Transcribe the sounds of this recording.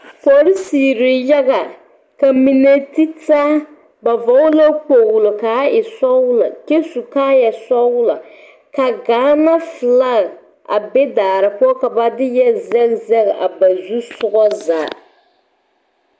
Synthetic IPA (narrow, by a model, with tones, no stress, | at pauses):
fɔ˨ɾi˦si˨ɾɪ˨jɛ˦ɡa˨ | ka˨mi˨ne˦ti˦ta˦ | ba˨va˨˦ʊ˦la˦k͡po˨ɣʊ˨lo˨ka˨˦ɪ˨sɔ˦wʊ˦la˨ke˦su˨kaː˦jɛ˨sɔ˦wʊ˦la˨ | ka˨ɡaː˦na˦fɨ˨la˦ɣ | a̰˨be˦daː˨ɾɨ˨pu˦ɔ˦ka˨ba˦dɪ˦jɛ˦zɛ˦lzɛ˦ɣʔa˨ba˨zu˦sʊ˦ɣɔ˦zaː˨˦